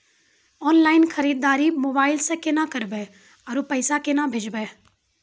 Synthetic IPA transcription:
ɔːnlaːɪnxʰɐɾiːd̪ːaːɾimoːbaːɪlsekenakɐɾbeː | ɐɾupɐɪsakenabʱed͡ʒbeː

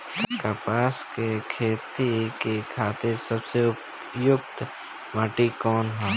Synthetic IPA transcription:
kapaːskekʰeːt̪ikekʰaːt̪ɪɾsɐbseʊp | jʊkt̪ | maːʈikɔːnɦoː

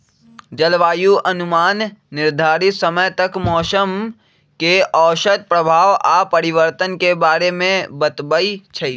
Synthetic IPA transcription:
d͡ʒəlʋaːjuʔɐnʊmaːnːɪɾd̪ʱaːɾɪt̪səməjt̪ɐkmɔːsəm | keʔɔːʃət̪̚pɾəbʱaːʋaːpɐɾɪʋəɾt̪ənkebaːɾemẽbət̪bəit͡ʃʰɐi

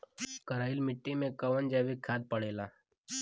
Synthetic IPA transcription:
kəɾaːɪlmɪʈːimẽkɐʋənd͡ʒɛːʋikʰaːd̪̚pəɽeːlaː

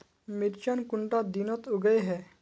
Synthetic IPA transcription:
miɾt͡ʃənkʊɳʈad̪inɔt̪ʊɡəeɦɛː

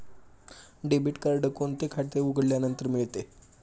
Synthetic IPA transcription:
ɖebiʈkəɾɖəkont̪ekʰaʈt̪euɡəɽljanənt̪əɾmiɭt̪e

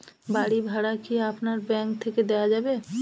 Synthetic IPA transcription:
baɽibʱaɽakiapnaɾbɛ̃ːŋkt̪ʰeked̪ejad͡ʒaːbe

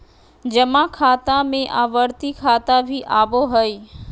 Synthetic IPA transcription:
d͡ʑɐmãkʰaːt̪amẽʔaːʋəɾt̪ikʰaːt̪abʱiʔaːboɦɐi

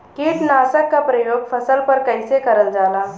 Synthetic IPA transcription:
kiːʈnasəkːapɾəjoɡfʰəsəlpəɾkəjsekəɾənd͡zala

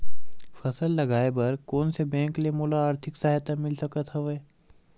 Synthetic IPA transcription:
fɐsəlːɐɡaːebɐɾkoːnsebɛ̃ːŋklemuːlaaːɾt̪ʰɪksaːɦt̪amɪlsɐkət̪ɦɐʋɛː

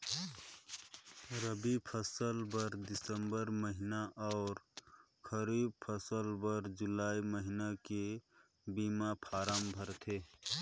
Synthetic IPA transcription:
ɾəbipʰəsəlbəɾd̪isəmbəɾməɦinaʔɔʊɾ | kʰəɾib̚pʰəsəlbəɾd͡ʒulaiməɦinake | bimapʰaɾambʱəɾt̪ʰe

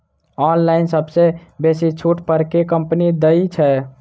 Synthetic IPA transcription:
ɔnlaɪnsəbsebesit͡ʃʰuʈpəɾkekəmpnid̪əit͡ʃʰɛ

